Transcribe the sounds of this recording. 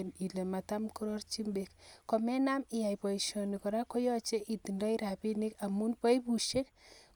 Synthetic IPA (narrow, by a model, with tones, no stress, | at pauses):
ni˨le˨ma˨ta˦mku˦ɾo˦rt͡ʃi˦mbekkɔmɛ˦na˦mɪ˨ja˨jpɔ˨iʃɔ˨nikɔ˨ɾa˦ko˦jɔ˦t͡ʃe˦ʔi˨ti˨nda˦i˦ɾa˨pi˦ni˦ka˨mu˦npɔ˦ipu˨ʃe˦k